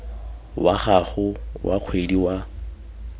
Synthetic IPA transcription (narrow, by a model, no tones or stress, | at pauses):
waχaɣʊwʔa̰q͡χʰwediwa